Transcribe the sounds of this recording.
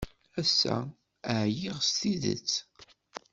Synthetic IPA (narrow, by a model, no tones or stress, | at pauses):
æsːæ̰ | əʕjiʁst̪iðə̰t͡sː